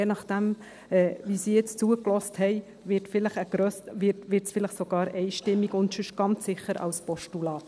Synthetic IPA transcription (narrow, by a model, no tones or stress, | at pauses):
jeːnɑχd̥ɛm | ɛːvisiːjɛt͡st͡suəklɔsthɛɪ | vɪɾtfɪləχəɡ̥ɾøsvɪtʋɪɾtsfɪlɪχsoɡ̥ɑːɾɛɪʃtɪmːiɡʊntʃʏʃɡ̥ɑnt͡sːɪχəɾɑ̰wspɔʃtulɑː